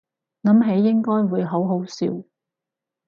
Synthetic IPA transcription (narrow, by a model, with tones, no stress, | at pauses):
ŋɐ˨˥mɦe˨˧˥jːɪ˥ŋkɔː˥jwuː˨˧jɦo˨˥wɦo˨˥wsiː˨˧w